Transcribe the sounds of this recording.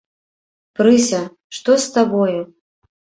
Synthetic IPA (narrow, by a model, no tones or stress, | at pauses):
pɾɨsʲɐ | ʂt̪ɔst̪abɔju